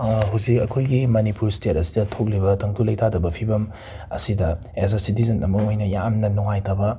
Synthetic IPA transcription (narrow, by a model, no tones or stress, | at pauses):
ɦuzikɐkʰojɡimɐnipuɾstet̚ɐsidɐtʰok̬̚libɐtʰɐŋtʰulɐjtʰadɐbɐpʰibɐm | ɐsidɐ | es̬asit̬izɐnɐmɐojnɐjamnɐnuŋajtabɐ